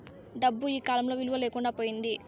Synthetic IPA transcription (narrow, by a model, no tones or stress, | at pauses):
ɖɐbːuiːkaːlɐmlo̞ːʋiluʋɐleːkuɳɖaːpoːjind̪i